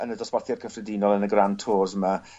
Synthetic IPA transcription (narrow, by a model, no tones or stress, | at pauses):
ənədɔswarθjarkʰəfrɛdinɔlˠənəɡrantʰoːzəma